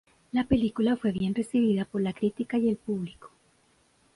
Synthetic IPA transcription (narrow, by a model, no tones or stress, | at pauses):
lape̞likulafwe̞βje̞nre̞siβ̞iðapo̞ɾlakɾit̪ikaje̞lpuβliko̥